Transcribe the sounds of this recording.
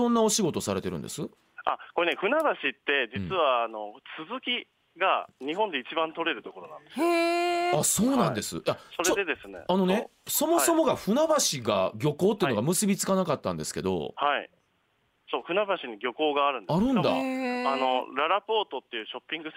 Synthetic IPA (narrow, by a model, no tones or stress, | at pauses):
õ̞nːao̞ɕiɡo̞t̪o̞saɾe̞t̪e̞ɾɯ̟̰̃nd̪e̞sɨ | ako̞ɾeneɸɯ̟naβaɕit̪ːe̞d͡ʑit͡sɨβaːno̞t͡sɨzɨkʲi | ɡaɲ̟iɦõ̞nd̪e̞it͡ɕibãnt̪o̞ɾe̞ɾɯ̟t̪o̞ko̞ɾo̞nã̰nd̪e̞sɨ | aso̞ːnãnd̪e̞sɨ̰jasoɾeod̪ed̪e̞sɨnḛano̞ne̞so̞mo̞so̞mo̞ɡaɸɯ̟nabaɕiɡa̰ɡʲo̞ko̞ːt̪ːeɯ̟no̞ɡamɯ̟sɨbʲit͡sɨ̥kanakat̪ːãnd̪e̞sɨ̥ke̞d̪o̞̰haḭ | so̞ːɸɯ̟nabaɕiɲ̟iɡʲjo̞ko̞ːɡaːɾɯ̟̃ndaɾɯ̟̃nd̪a̰ano̞ɾaɾapo̞ːt̪o̞t̪ːe̞jɯ̟ːɕo̞pʲːĩŋɡɯ̟